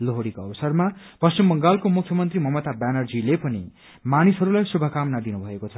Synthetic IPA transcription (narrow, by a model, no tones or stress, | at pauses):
loɦoɽikoʌbʌsʌrma | pʌst͡ɕimbʌŋɡalkomukʰːjʌmʌnt̪rimʌmʌt̪abanʌrd͡zilepʌni | manisɦʌɾulajsubʱʌkamnad̪inubʱʌekot͡sʰʌ